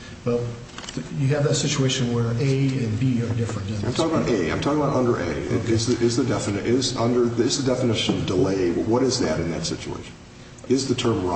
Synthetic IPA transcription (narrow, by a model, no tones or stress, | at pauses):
wɛlˠ | jɨːvðɨtsɪt͡ʃueɪʃɨ̃nwə˞eɪɨ̃nbiə˞dɪfɹɨ̃nd͡ʒɛ̃ãɪmtʰɔkɪ̃əbaʊɾʔeɪã̰ɪmtʰɔkɪ̃əbaʊɾʌ̃ndə˞ʔḛɪɪ̰ɪzðɨʔɪzðɨdɛfɨnɪʔɪzʌ̃ndə˞ðɪzðɨdɛfənɪʃɨ̃nʌvdəleɪwwʌɾɨzðɨɾɨ̃nðɨ̰tsɪ̰t͡ʃṵḛɪʃn̩ | ɪzðɨtʰɜ̃˞mɹa